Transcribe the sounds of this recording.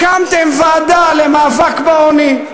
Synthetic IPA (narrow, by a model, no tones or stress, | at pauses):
kamt̪emvaːd̪alemaːvakbaoni